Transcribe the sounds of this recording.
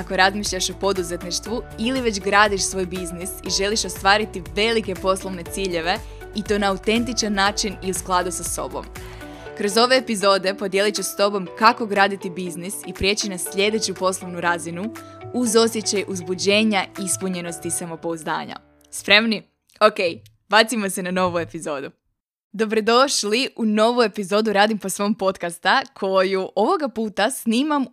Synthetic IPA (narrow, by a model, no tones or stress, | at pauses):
ako̞ɾazmiːʃʎʲaʃopo̞d̪uze̞t̪niʃt̪ʋuiliʋe̞d͡ʑɡɾaːd̪iʃsʋo̞ːjbiznisiʒe̞liʃo̞st̪ʋaːɾit̪iʋe̞like̞po̞slˠoʋne̞t̪siːʎe̞ʋe̞ | it̪o̞ːnaːut̪e̞nt̪̬it͡ʃanːaːt͡ʃiniusklˠad̪usaso̞̰bo̰m | kɾo̞zo̞ʋe̞ːpizo̞ːd̪e̞po̞d̪jelit͡ɕuʃst̪o̞bo̞mkako̞ɡɾaːd̪it̪ibiznisipɾje̞ːt͡ɕinasʎe̞d̪e̞t͡ɕupo̞slˠo̞ʋnuɾaːzinuuzo̞sjet͡ɕajʔuzbud͡ʑe̞ːɲaispuɲe̞no̞st̪isamo̞po̞uzd̪a̰ːɲa̰ | spɾe̞mni | oke̞j | bat̪simo̞se̞nano̞ʋue̞pizo̞ːd̪u | d̪o̞bɾo̞d̪o̞ʃliʔuno̞ʋue̞pizo̞ːd̪uɾaːd̪impo̞sʋo̞mpo̞t̪kast̪akʰo̞juʔo̞ʋo̞ɡapuːt̪asniːmam